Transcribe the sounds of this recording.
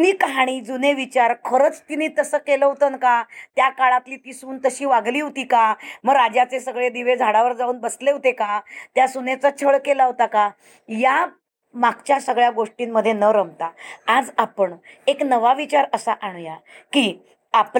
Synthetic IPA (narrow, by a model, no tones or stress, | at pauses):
niːkɦaɽ̃iːd͡zuneʋit͡ɕaɾkʰəɾət͡st̪iniːt̪əsəːkeləɦot̪ənkat̪jakaɭat̪liːt̪isuːnt̪əɕiːʋaɡliːɦot̪iːkaməɡɾad͡ʑat͡sesəɡɭed̪iʋed͡zʱaɽaʋəɾd͡zauːnbəsleɦot̪ekat̪jasunet͡sat͡ɕʰəɭkelaɦot̪aka | ja | maɡt͡ɕjasəɡɭjaɡoʂʈiːnːəd̪ʱːjenəɾəmt̪aːd͡zapəɳeknəʋaʋit͡ɕaɾəsaʔaɳ̃jakiː | ap